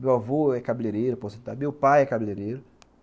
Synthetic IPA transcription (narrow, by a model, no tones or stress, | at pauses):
mewavoɛkabileɾeɾʊpɔsĩt̪amewpajɛkabileɾeɾʊ